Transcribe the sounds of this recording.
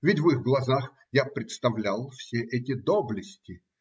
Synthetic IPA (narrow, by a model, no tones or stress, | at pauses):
vʲɪtʲvɨxɡlˠɐzax | japɾʲɪt̪st̪ɐvlʲalˠfsʲeʔɛtʲɪd̪oblʲɪsʲtʲɪ